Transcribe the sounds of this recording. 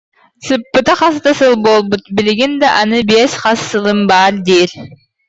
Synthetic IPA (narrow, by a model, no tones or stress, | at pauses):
sɨpːɯt̪ɑχɑst̪ɑsɯlˠbolˠbut̪̚bilɡind̪aʔɑnɯbesʲqɑsːɯlˠɯmbɑɾd̪iɾ